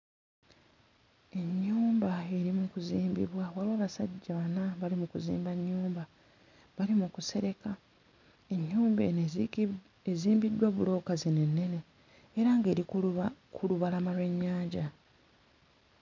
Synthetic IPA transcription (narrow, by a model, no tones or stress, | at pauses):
e̞ɲːuːmbae̞ɾimukuziːmbḭβwawalwaːβasaɟːaβanaβalimukuzḭːmbaɲːuːmba | βalimukuse̞ɾe̞ka | e̞ɲːuːmbe | eziːmbidːwaβulo̞ːkazine̞nːe̞ne̞ː | ɾaŋɡe̞ːɾikʰuluβalamalweɲːaːɲɟa